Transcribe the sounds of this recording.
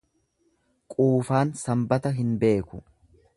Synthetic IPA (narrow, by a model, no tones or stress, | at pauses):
kʼuːfaːnsɐmbɐt̪ɐɦɪnbe̞ːkʊ